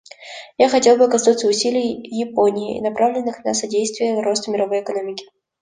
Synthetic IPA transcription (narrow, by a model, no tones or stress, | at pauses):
jaxɐtʲe̞lˠbɨɐkɐsnut̪sːəʊsʲilʲɪjjɪponʲɪɪ̰nɐpɾʔavlʲɪnːɨxnɐsɐdʲejst̪vʲɪjəro̞st̪əmʲɪɾɐvo̞jɪkɐnomʲɪkʲɪ̥